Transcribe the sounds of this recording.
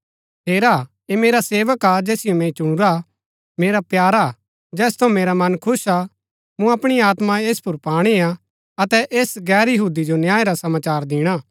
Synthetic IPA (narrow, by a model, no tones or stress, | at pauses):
ɦeːɾa | emeːɾaseːʋəkad͡ʒɛːsɪjomɛ̃it͡ʃũːɾa | meːɾapjaːɾa | d͡ʒɛːst̪ʰɐ̃meːɾamɐnkʰʊsa | mũɐpɽ̃iaːt̪mãeːspʊɾpaːɽ̃ia | ɐt̪ɛʔeːsɡɛːɾjɐɦuːd̪id͡ʒonjaːeɾasɐmaːt͡ʃaːɾd̪ɪːɽ̃aː